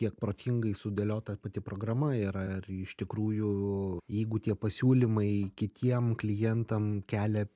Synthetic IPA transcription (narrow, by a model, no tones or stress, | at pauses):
kʲiɛk̚pɾoːt̪ʲɪŋɡɐɪsʊd̪ʲeːlʲoːt̪ɐpɐt̪ʲɪpɾoːɡɾɐmɐiɾɐɪrɪʃt̪ʲɪkɾuːjʊjɛɪɡʊt̪ʲiɛpɐsʲuːlʲɪmɐɪkʲɪt̪ʲiɛmklʲɪjɛnt̪ɐmkʲæːlʲɛ